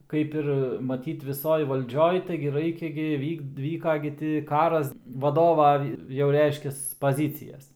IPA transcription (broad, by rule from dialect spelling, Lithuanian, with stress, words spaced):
ˈkɐɪp ɪr mɐˈtʲiːt ʋʲɪˈsoːj ʋɐlʲˈd͡ʒʲoːj ˈtɐɪɡʲɪ ˈrɐɪkʲɛ ɡʲɪ ˈʋʲiːk ˈʋʲiːkɐ ɡʲɪ tʲɪ ˈkɑːrɐs ʋɐˈdoːʋɐ jɛʊ ˈrʲɛɪʃʲkʲɛs pɐˈzʲiːt͡sʲɪjɛs